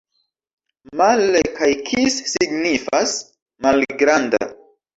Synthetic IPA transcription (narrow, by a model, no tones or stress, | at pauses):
malekajkʰisːiɡnifas | malɡɾanda̰